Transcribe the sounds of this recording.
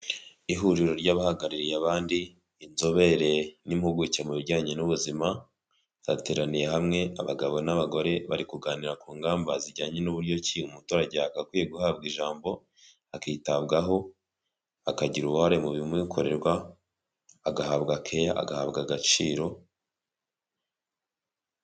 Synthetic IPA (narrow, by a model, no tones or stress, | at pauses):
iɦuɾiɾo̞ɾɟaβahaɡaɾiɾijaβaːndiː | nzo̞βe̞ɾe̞nimhuɡucemuβiɾɟaːɲe̞nuβuzima | z̥a̰teɾanije̞hamŋe̞a̰βaɡaβo̞naβaɡo̞ɾe̞βaɾikuɡaːniɾakuːŋɡaːmbaziɾɟaːɲe̞nuβuɾjo̞ciumutoɾaɟeakakwijeɡuhaːb̚ɡiʒaːmbo̞ | akiːtabɡaɦo̞ | akaɟiɾuβuhaɾe̞muβimwikʰo̞ɾe̞ɾɡwaː | ɡahaːβɡakʰe̞jaʔa̰ɡahaːβɡaɡat͡ʃiːɾo̞